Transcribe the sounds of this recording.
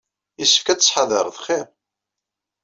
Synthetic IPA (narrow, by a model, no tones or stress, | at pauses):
jisːə̥fkæt͡sːə̥sħɑðəɾˤðχiɾ